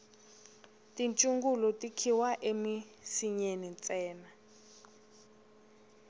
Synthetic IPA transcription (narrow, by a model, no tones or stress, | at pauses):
tʼint͡ʃʼuŋɡulɔtʼikʰiwaʔemi | siɲenint͡sʼɛːna